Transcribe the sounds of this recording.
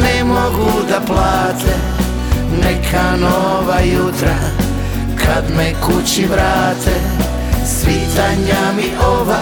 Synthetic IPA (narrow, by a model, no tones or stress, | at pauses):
nɛmoɡud̪aplaːt̪ʰe | nɛkʰano | ʋajut̪ɾa | kʰad̪mekut͡ɕiʋɾaːt̪e | sʋit̪aɲamiʔoʋa